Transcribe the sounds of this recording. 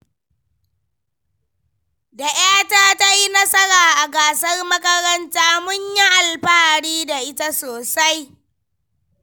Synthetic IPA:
da˨j̰aː˦taː˦ta˦ji˦nɐ˦sɐ˦ɽaː˨ʔa˨ɡaː˨sɐ˦rmɐ˦kɐ˦ɾɐ˦ntaː˦mʊ˦ɲja˦ʔa˨lɸaː˦ɽiː˦da˨ʔɪ˦ta˦soː˨sa˦j

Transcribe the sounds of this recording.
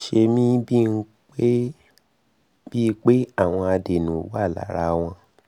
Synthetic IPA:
ʃe˧mĩ˦bi˦˨˧n̩˦ | k͡pe˦ | b̥i˦˧˦k͡pe˦a˦˨w̃ɔ̃˧a˧de˨nũ˨˦wa˦˨la̰˨˦ɾa˧w̃ɔ̃˧

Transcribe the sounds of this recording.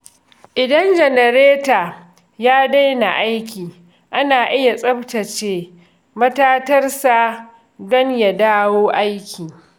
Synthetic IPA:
ʔɪ˨dɐ˦nd͡ʒɛ˨nɐ˨ɾeː˦taː˨ | jaː˦da˦jna˨ʔa˦jkʲiː˨ | ʔa˦naː˨ʔɪ˦ja˨sʼɐ˦btɐ˨t͡ʃeː˨ | mɐ˦taː˦tɐ˦rsa˨ | dɔ˦ŋja˨daː˦woː˦ʔa˦jkʲʰiː˨

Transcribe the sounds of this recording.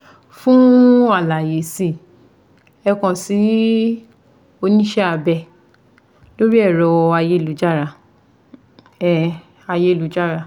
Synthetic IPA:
fũ˦a˦˨la˨je˨si˧˨ | ɛ˧kɔ̃˧˨si˨˦ | o˧nĩ˦ʃɛ˦a˧bɛ˧˨ | lo˦ɾi˦ɛ˦˨ɾɔ˨˧a˧je˧˦˧lu˨˦d͡ʒa˦˨ɾa˧˨ | a˧je˧˦˧lu˨˦d͡ʒa˦˨ɾa˧˨

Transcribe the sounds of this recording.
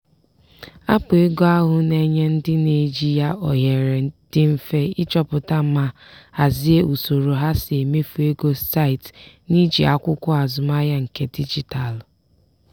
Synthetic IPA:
a˦pʊ˨e˦ɡo˦a˦ɦʊ˨ne˦ɲe˦n̩˦dɪ˦ne˨d͡ʒi˦ja˦ɔ˨ɦe˨ɾe˨d̥ɪ˦m̩˦fe˦ɪ˦t͡ʃɔ˦pʊ˨ta˦m̩˦ma˦ | a˨zi˦e˦u˨so˨ɾo˨ɦa˦sɪ˨e˨me˦fu˨e˦ɡo˦sta˦ɪ˨t | ni˦d͡ʒi˨a̰˨kʷʊ˦kʷʊ˦a˨zʊ˨ma˦ja˦ŋ̩˨ke˦di˦d͡ʒi˨ta˨l

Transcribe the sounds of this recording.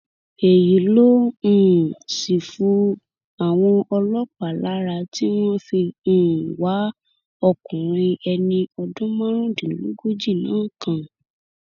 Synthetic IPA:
e˨ji˨˦lõ˦˨ | si˨fu˧˦ | a˨w̃ɔ̃˧ɔ˧lɔ˦k͡pa˨la˨˦ɾa˧ti˦w̃ɔ̃˦fĩ˧˦˨wa˨˦ | ɔ˦˨kũ˨ɾ̃ĩ˧ɛ˧nĩ˧ɔ˧dũ˦mã˦ɾ̃ũ˦dĩ˨lu˦ɡo˦d͡ʒi˦˨nã̰ː˨˦kã˦˨

